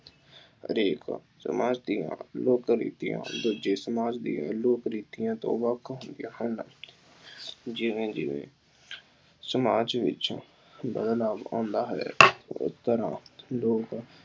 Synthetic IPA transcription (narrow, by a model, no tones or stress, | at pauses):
ə̰ɾeːk | sə̰maːd͡ʒd̪ijã̰ːloːkɾḭːt̪ijã̰ːd̪ud͡ʒeːsəmaːd͡ʒd̪ḭjã̰ːloːkɾiːt̪ijãːt̪õ̰ːʋəkʰːɦʊnd̪ijãːɦʊnnaː | d͡ʒɪʋẽːd͡ʒɪ̰ʋḛ̃ː | səmaːd͡ʒʋɪ̰t͡ʃ | bəd̪laːbã̰ːnd̪aːɦɛ̰ːʊ̰st̪əɾãːloːk